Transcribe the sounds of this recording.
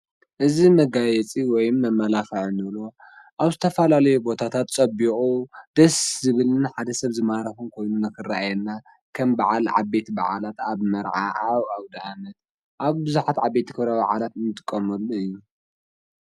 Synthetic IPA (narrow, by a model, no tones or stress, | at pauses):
ʔɨzimɐɡajɛt͡sʼiwɔjmːɐmːɐlafɐʕɨnɨβlo | ʔaβzɨt̪ʰɐfɐlalɐjubo̞t̪ʰat̪ʰat̪t͡sʼɐbikʼud̪̥ɐszɨβɨlɨnħad̪ɐsɐβzɨmaɾɐfɨnkʰo̞jnunɨkɨraajɛnːa | kʰɐmbaʕalʕa̰be̞t̪ba̰ʕalat̪aβmɐɾʕa̰ʔaβawd̪ɐanɐt̪ | ʔaβbɨzuħat̪ʕabːe̞t̪ikʰɨβɾaβaʕalat̪ɨnɨt̪ʼɨkʼːɐmɐlːuɨjːu